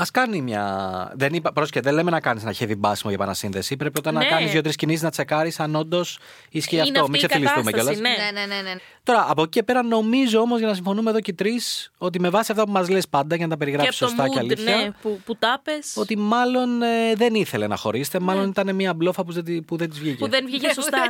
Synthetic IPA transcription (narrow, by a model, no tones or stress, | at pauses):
ɐskɐnimɲɐ̰ðe̞nipɐpɾo̞skeðelemenɐkɐniznɐçe̞vibɐsimoʝɐpɐnɐsinðe̞sipɾepiot̪ɐnːɐkɐnizjot̪ɾiscinisiznɐt͡se̞kɐɾisɐno̞nd̪o̞s | isceɐt̪o̞misefilisθusmeeo̞lɐsnnen | t̪o̞ɾɐʔːpocice̞pe̞ɾɐno̞mizoo̞mo̞zʝɐnɐsiɱfo̞numeðo̞cet̪ɾiso̞t̪̬ime̞vɐsiɐft̪ɐp̬umɐzlespɐnd̪ɐʝenɐt̪ɐpe̞ɾiɣɾɐpisost̪ɐceɐliθçɐput̪ɐpeso̞t̪imɐlo̞neðe̞niθe̞le̞nɐ̰xo̞̰ɾise̥t̪emɐlo̞nit̪ɐne̞miɐblo̞fɐpuzpuðet̪izvʝiceðenvʝisost̪ɐ